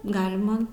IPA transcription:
ˈɡɑːlʲɪmɐ

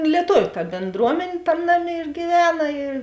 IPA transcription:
lʲiɛˈtoːʋʲʊ tɐ bʲeːnˈdruɔmʲɛnʲ ˈtɐmʲ ˈnɑːˌmʲeː ɪr ɡʲiːˈʋʲæːnɐ ɪr

